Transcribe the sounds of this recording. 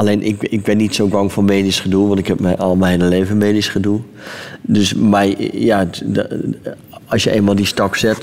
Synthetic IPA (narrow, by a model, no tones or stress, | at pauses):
aleːnʔɪ̰kɪk̚bɪnːitsoːɡɔŋfɔnmeːdisχəduəʋɔntɪkhɛp̚mɛjʔɔlˠmɛhenəleːvəmeːdisχəduə | døsmɛjja | ɔsjəʔḛːnmalˠdistɔksɛt